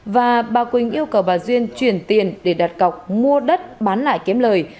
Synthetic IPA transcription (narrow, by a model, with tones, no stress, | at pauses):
vaː˨˩ɓaː˨˩kwï˨˩ŋ̟ʔi˧əwkə˧˩wɓaː˨˩zwi˧ənt͡ɕwi˧˩ənt̪i˨˩ənɗe˧˩ɗa˨˩t̚ka˨˩wk͡p̚mu˧əɗə˦˥t̚ɓaː˨˦nla̰ː˧˨jki˨˦əmləː˨˩j